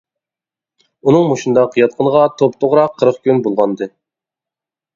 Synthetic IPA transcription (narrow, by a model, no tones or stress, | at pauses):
unɨŋmoʃund̪ɑqʰəjɑt̪̚qʰənəʁɑt̪ʰopt̪ʰoʁɾɑqʰːəɾəχkʲynbolˠʁɑnd̪ɨ